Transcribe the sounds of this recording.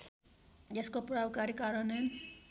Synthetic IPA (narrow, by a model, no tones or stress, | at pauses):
d͡ʒeskopɾawkaɾikaɾʌnen